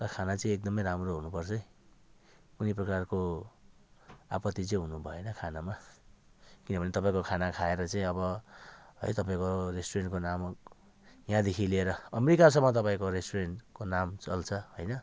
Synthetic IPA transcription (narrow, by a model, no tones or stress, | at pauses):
ɾʌkʰanat͡sʌĩek̚d̪ʌmʌjɾamroɦunupʌrt͡sʰʌĩ | kuniprʌkarko | a̰pʌt̪ːit͡sʌĩɦunubʱʌenʌkʰanama | kinʌbʱʌnet̪ʌpaĩkokʰanakʰaeɾʌt͡sʌĩʌβʌɦʌ̰jt̪ʌpaĩkoresʈorenʈkonam | jãd̪ekʰilieɾʌʌmeɾikas̬ʌmːʌt̪̬ʌpaĩkoɾesʈorenkonamt͡sʌlt͡sʰʌhojnʌ